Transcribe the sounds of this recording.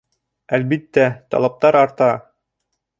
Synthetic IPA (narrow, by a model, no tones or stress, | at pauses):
ælbit̪ːæt̪ɑ̰lˠɑp̚t̪ɑɾɑɾt̪ɑ